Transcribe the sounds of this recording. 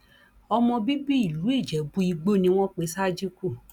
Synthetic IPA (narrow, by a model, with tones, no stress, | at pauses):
ɔ˧mɔ̃˧bi˦bi˦i˦˨lu˨˦i˦˨d͡ʒɛ˨˦bu˧˦i˧ɡ͡bo˦nĩ˧w̃ɔ̃˦k͡pe˨˦sa˦d͡ʒi˦ku˦˨